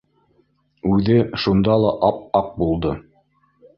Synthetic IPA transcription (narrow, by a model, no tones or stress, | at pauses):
ʉðɘʃund̪ɑlˠɑʔɑp̚ɑq̚bulˠd̪ɤ